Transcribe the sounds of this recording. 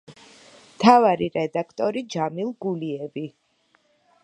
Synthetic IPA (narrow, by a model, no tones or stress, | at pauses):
mt̪ʰavaɾiɾɛd̪akʰt̪ʼɔɾid͡ʒamilˠɡuliɛbi